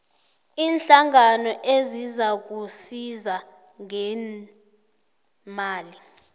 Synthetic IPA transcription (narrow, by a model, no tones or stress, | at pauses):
iːnɬaŋanɔʔezizak̬usiza | ŋɛ | maːli